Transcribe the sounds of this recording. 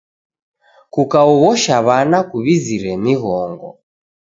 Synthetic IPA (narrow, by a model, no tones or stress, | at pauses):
kukaɔɣɔʃaβanakuβiziɾɛmiɣɔŋɡɔ̰